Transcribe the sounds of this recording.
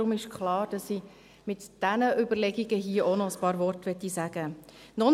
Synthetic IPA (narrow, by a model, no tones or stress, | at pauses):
ʊmɪʃkʰχlɑːɾd̥ɑsi | mɪtd̥ænəʔʏbəɾlɛɡiɡəɦiːəʔonɔəspɑːɾvɔrtʋɛtːisæɡ̥ə | nɔ